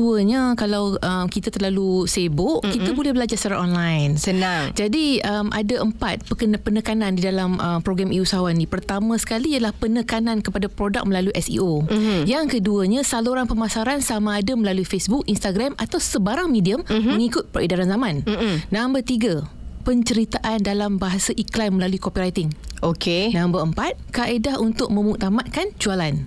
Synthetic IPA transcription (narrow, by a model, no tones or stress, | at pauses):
uəɲakalawʔəmkit̪at̪ərlalusebʊʔkit̪abolɛhbəlad͡ʒarsaɾaɔnlajnsənaŋd͡ʒadiəmʔa̰daʔəmpat̪̚pəkənpənəkanãndidalaməmpɾoɡamiusaɦawanĩpərt̪amãsə̥kaliːjəlahpənəkanankəpadapɾoda̰k̚məlaluiʔɛsḭojaŋkəduəɲãsaluɾanpəmasaɾansamãːdaməlaluifesbuk̚ʔinst̪aɡɾamat̪awsəbaɾaŋmẽdiəmməŋikʊt̪̚pəɾʔedaɾanzamãnːãmbərt̪iɡapəɲt͡ʃəɾit̪aʔandalambaɦasaʔiklanməlaluikopiɾajt̪ɪŋokenãmbərəmpat̪̚kaʔedahunt̪ʊk̚mə̃muk̚t̪amat̪̚kand͡ʒualan